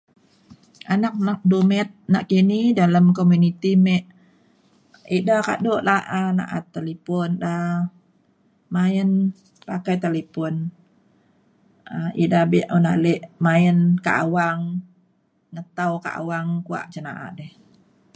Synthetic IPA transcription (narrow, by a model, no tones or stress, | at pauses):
anak̚nak̚dumɛt̪̚naʔkinidaləmkomjunit̪imɛʔ | idaka̰ʔdoʔlaʔana̰ʔa̰t̪ːalipɔnda | maən | pakajt̪alipɔn | aḭdabiʔuna̰lɛʔmaənka̰ʔawaŋ | ŋət̪awka̰ʔa̰waŋkua̰ʔt͡ʃəna̰ʔa̰ʔdɛh